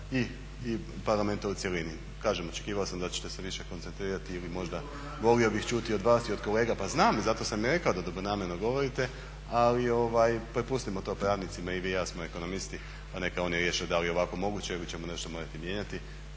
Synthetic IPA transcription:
iː | paɾlˠame̞nt̪aut̪sjelini | kaːʒemo̞t͡ʃekiːʋaosamd̪at͡ɕe̥t̪e̞seʋiʃe̞kont̪se̞nt̪ɾiːɾat̪iilimo̞ʒd̪a | ʋo̞lio̞bixt͡ʃuːt̪io̞d̪ʋaːsio̞d̪ko̞le̞ːɡapaznaːmizat̪o̞samjeɾe̞kaod̪ad̪obɾonaːmeɾnoɡo̞ʋo̞ɾit̪e̞ | alio̞ʋajpɾepust̪imo̞t̪o̞ːpɾaːd̪nit̪simaiʋiːjaːsmoe̞ko̞no̞mist̪i | pane̞kao̞njeɾjeʃiod̪alijeo̞ʋako̞mo̞ɡuːt͡ɕeilit͡ɕemone̞ʃt̪o̞mo̞ːɾat̪imje̞ːɲat̪i

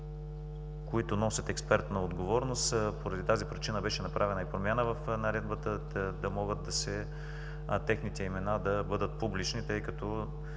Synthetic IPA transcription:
koit̪ʊnɔsʲɐt̪ɛkspɛɾt̪nɐod̪ɡovɔɾnost̪poɾɐd̪it̪azipɾit͡ʃinəbɛʃɛnɐpɾʔavɛnɐipɾomʲjanəvɐfnɐɾɛd̪bət̪ə | d̪ɐmɔɡət̪̚d̪ɐsɛ | t̪ɛxnit̪ɛimɛnad̪ɐbɤd̪ət̪̚publit͡ʃnit̪ɤjkɐt̪ɔ

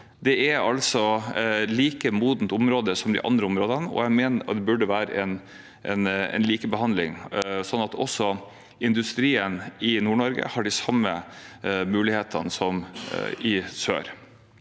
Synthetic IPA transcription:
d̪ɛʔæɾɑlsɔliːkəmuːd̪n̩t̪ʊmɾoːd̪əsɔmd̪ɪ̰ʔɑ̰nd̪ɾəʊmɾoːd̪ənɔ̰jæmeːnət̪d̪ɛbʉɖəʋæːɾə̰ʔɛn | ʔɛnɛ̰nliːkəbəhɑnd̪lɪ̰ŋsɔnːɑt̪ʰɔ̰sːɔ | ɪnd̪ʉst̪ɾiːənɪnuːɳɔɾɡə̰hɑɖɪsɑmːə | mʉːlɪheːt̪ʰənəsɔmɪsø̰ːɾ

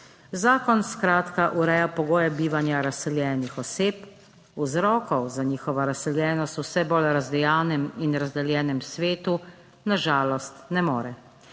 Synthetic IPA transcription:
zaːkɔnskɾaːt̪kaʔuɾɛːjapɔɡoːjɛbiːʋanjaɾasɛljɛːnixɔseːp | uzɾɔːkɔwzaniːxɔʋaɾasɛljɛːnɔst̪usɛbolɾazd̪ɛjaːnɛminɾazd̪ɛljɛːnɛmsʋeːt̪u | naʒaːlɔst̪nɛmoːɾɛ

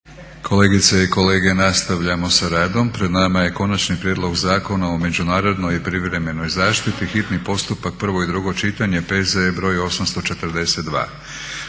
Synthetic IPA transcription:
kʰo̞le̞ːɡit̪seiko̞le̞ːɡe̞nast̪aʋʎamo̞saɾaːd̪o̞mpɾe̞d̪namaje̞ko̞nat͡ʃnipɾjed̪lˠo̞ɡzaːko̞naome̞d͡ʑunaːɾo̞d̪no̞jipɾiʋɾe̞me̞no̞jzaːʃt̪it̪ixit̪nipo̞st̪upak̚pr̩ʋo̞id̪ɾuɡo̞t͡ʃit̪aɲe̞pe̞zebɾo̞jo̞samst̪o̞t͡ʃe̞t̪ɾ̩d̪e̞se̞t̪d̪ʋa̰ː

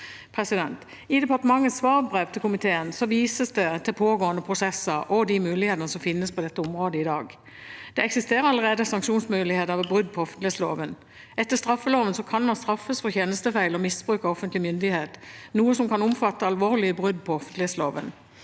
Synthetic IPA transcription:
pʰʁɛsɪd̪ɛnt̪ | ɪd̪ɛpɑʁt̪əmɑŋːəsʋɑːʁbʁeːʋt̪ʰɪlkʰʊmɪt̪ʰeːənsɔʋiːsəsd̪ɛt̪ʰɪlpʰoːɡoːənd̪əpʰʁʊsɛsəɾɔd̪ɪmʉːlɪheːt̪ənəsɔmfɪnːəspʰɔd̪ɛt̪ːəɔmʁoːd̪əɪd̪ɑːɡ | d̪̥ɛɛksɪst̪eːʁəɾɑləʁeːd̪əsɑŋkʃuːnsmʉːlɪheːt̪əɑʋbʁʏd̪̚pʰɔɔfənt̪lɪhetslo̰ːʋən | ɛt̪ːəʁst̪ɾɑfːəloːʋənsɔkʰɑnmɑnst̪ɾɑfːəsfɔçeːnəst̪əfæɪlɔmɪsb̥ʁʉːkəɔfənt̪lɪmʏnd̪ɪheːt̪nuːəsɔmkɑnʊmfɑt̪ːəɑlʋoːʁlɪəbʁʏd̪̚pʰɔɔfənt̪lɪet̪sloːʋən

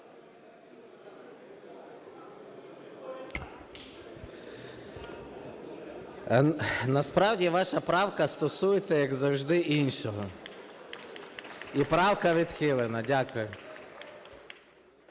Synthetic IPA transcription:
nɐspɾɑwdʲiʋɑʃɐpɾɑwkɐst̪ɔsujet͡sʲːɐjɐɡzɐwʒd̪ɪʔinʃɔɦɔ | ipɾɑwkɐʋʲid̪xɪlˠenɐdʲakʊjʊ

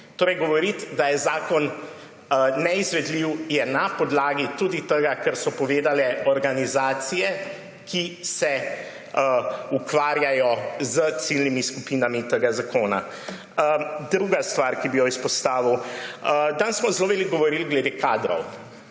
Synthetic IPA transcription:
t̪oːɾɛjɡɔʋɔɾit̪d̪ajɛzaːkɔn | ɛizʋɛd̪liwjɛnapɔd̪laːɡit̪ud̪it̪əɡakəɾsɔpɔʋeːd̪alɛɔɾɡanizaːt̪sijɛ | kʰisɛ | əukʋaːɾjajɔzət̪silnimiskupiːnamit̪əɡazakoːna̰ | d̪ɾuɡast̪ʋaɾkibijɔispɔst̪aːʋiwəd̪ansmɔzloːʋeliɡɡɔʋɔɾilɡlɛd̪eːkaːd̪ɾɔ̰w

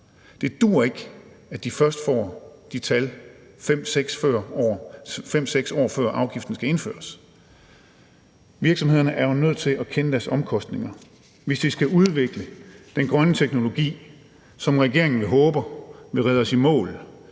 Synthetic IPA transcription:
d̥e̝d̥uːɐe̝ɡ̥ | æd̥ifɶɐsd̥fɒ̰ːd̥it͡sʰæl | fem̰seɡ̥sfɶɐ̰ɒːfem̰seɡ̥sɒ̰ːfɶɐ̰ʔɑ̈ʊɡ̥ifd̥n̩sɡ̥æe̝nfø̰ːɐs | ʋiɐɡ̥sɒmhe̝ðˠɐnəʔæɐonøð̞̰ˠt͡sʰe̝lækʰenəd̥æɐsɒ̽mkʰɒ̽sd̥ne̝ŋɐ | ʋe̝sd̥isɡ̥æʔuð̞ˠʋe̝ɡ̥ləd̥enɡ̥ʁɶnət͡sʰeɡ̥no̝lo̝ɡ̥ḭː | sɒ̽mʁɛɡ̥e̝ɐ̰e̝ŋn̩ʋe̝ɦɔ̽ːb̥ɐʋe̝ʁɛðˠɒsimɔ̰̽ːl

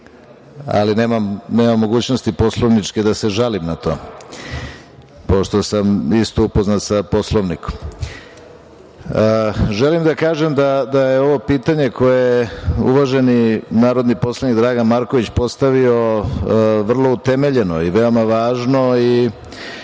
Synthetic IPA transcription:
a̰lineːmamneːmamːo̞ɡuːt͡ɕnost̪ipo̞slˠoʋnit͡ʂked̪ase̞ʒalimnat̪o̞̰ | po̞ʃt̪o̞samist̪oupo̞znat̪sapo̞slˠoʋniko̥m | ʒe̞limd̪akaːʒe̞md̪ad̪ajeo̞ʋo̞piːt̪aɲe̞kʰo̞jejeṵʋaʒe̞ninaːɾo̞d̪nipo̞slˠanikd̪ɾaːɡanmaɾko̞ʋit͡ɕpo̞st̪aʋio̞ | ʋr̩lˠo̞ut̪e̞me̞ʎe̞noiʋe̞o̞maʋaːʒnoi

